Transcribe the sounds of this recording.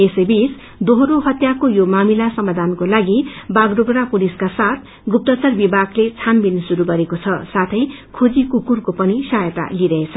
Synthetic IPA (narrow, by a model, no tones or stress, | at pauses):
esʌjbis | d̪oɦɾoɦʌt̪jakojomamilasʌmad̪ʱankolaɡibaɡrobɾapuliskasat̪ʰ | ɡup̚t̪ʌt͡sʌrbibʱaɡlet͡sʰanbinsuɾuɡʌɾekot͡sʰʌsat̪ʰʌjkʰod͡zikukurkopʌnisaɦjʌt̪a̰liɾʌɦet͡sʰʌ